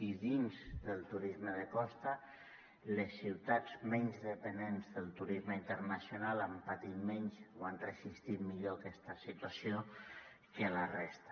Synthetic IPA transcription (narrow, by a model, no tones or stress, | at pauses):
iðinzðəlˠt̪uɾizməðəkɔst̪ə | ləsːiwt̪ad͡zmɛɲzðəpənenzðəlˠt̪uɾizməint̪əɾnasjonalampat̪it̪mɛɲzoanrəzist̪it̪miʎoakɛst̪əsit̪wasjo | kəlarɛst̪